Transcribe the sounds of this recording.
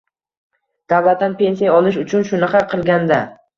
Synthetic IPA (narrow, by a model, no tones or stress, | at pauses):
d̪̥avlat̪ːanpʰe̞nsijaɒlˠɪʃ̬ʊt͡ʃʰʊnʃʊnɪχɑɾqʰɨlˠɡʲand̪a